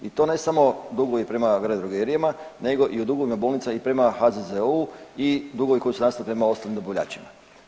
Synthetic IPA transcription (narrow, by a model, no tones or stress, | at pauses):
it̪o̞ːne̞samo̞d̪uɡoʋipɾe̞maɡɾed̪ɾoɡeɾijamane̞ɡo̞ʔiud̪uɡoʋimabolˠnit̪samaipɾe̞maxazezeuid̪uɡoʋiko̞jisunast̪alipɾe̞mao̞st̪alnimd̪oboʋʎa̰ːt͡ɕima